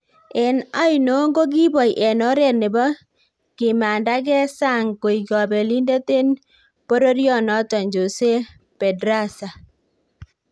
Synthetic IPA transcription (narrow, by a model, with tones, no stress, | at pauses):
e˨na˦jno˨˦ŋɡo˦ɡ̬i˦bɔ˨jʔɛ˨nɔ˦ɾɛ˦˨ne˨bɔ˦ | kɪ˨ma˨nda˦k̬ɛ˦sa˦˨ŋko˨i˨kɔ˨be˨li˦nde˦te˦n | po˦ɾo˦ɾjɔ˦nɔ˦tɔ˨ɲd͡ʒo˨se˦ | pɛ˨dɾa˦sa˨